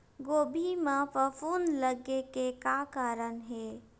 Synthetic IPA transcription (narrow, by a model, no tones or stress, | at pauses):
ɡoːbʱimãpəfʰuːnləɡekekaːkaːɾənɦe